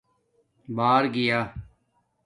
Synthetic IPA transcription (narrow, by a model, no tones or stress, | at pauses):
baːɾɡɪjaː